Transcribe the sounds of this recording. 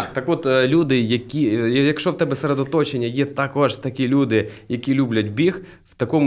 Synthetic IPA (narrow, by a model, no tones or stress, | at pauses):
t̪ɐkʋɔt̪lʲud̪ɪjɐkʲijɐkʃt͡ʃɔwt̪ɛbɛseɾed̪ɔt̪ɔt͡ʃenʲːɐjet̪akɔʒt̪ɐkʲilʲud̪ɪjɐkʲilʲublʲɐdʲbʲix | wt̪ɐkɔm